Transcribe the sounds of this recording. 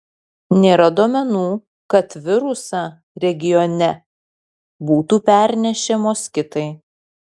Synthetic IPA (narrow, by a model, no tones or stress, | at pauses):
nʲeːɾɐd̪oːmʲɛnuː | kɐt̪ʋʲɪɾʊsɑː | ɾʲɛɡʲɪjɔnʲɛ | buːt̪uːpʲæˑɾʲnʲɛʃʲɛmoːskʲɪt̪ɐɪ